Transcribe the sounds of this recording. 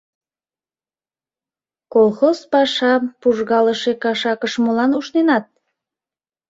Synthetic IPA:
kolxozpɑʃɑpuʒɣɑləʃekɑʃɑkəʃmolɑnuʃnenɑt̪̚

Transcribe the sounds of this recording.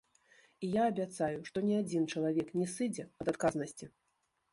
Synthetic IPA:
ijaːbʲat̪sajuʂt̪ɔnʲɛad͡zʲint͡ʂɐlˠavʲɛknʲɛsɨd͡zʲɛɐd̪at̪kaznɐsʲt͡sʲi

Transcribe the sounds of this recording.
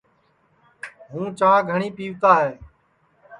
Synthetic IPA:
ɦũːt͡ʃãːɡʱəɳiːpiːʋt̪aːɦeː

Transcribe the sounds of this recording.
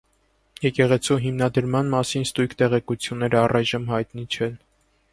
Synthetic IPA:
jɛkɛʁɛt͡sʰuɦimnɑd̪əɾmɑnmɑsinst̪ujkʰt̪ɛʁɛkut͡sʰjunːɛɾəɑrɑjʒəmhɑjt̪nit͡ʃʰɛn

